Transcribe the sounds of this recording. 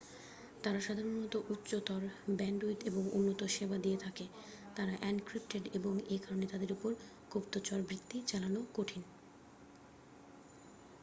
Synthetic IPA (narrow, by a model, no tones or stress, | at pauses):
t̪aɾaʃad̪ʱaɾonɔt̪oʔutːɕot̪ɔɾbɛɳɖuit̪eboŋṵnːot̪oʃebad̪iet̪ʰake | t̪aɾaʔɛnɖkɾipʈeɖeboŋekaɾonet̪ad̪eɾopoɾ | kobt̪ot͡ɕɔɾbɾit̪ːit͡ɕalanokoʈʰin